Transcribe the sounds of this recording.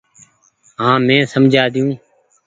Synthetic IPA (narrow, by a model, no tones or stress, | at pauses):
ɦãːmɛ̃ːsəmd͡ʒʱaːd̪ɪjũː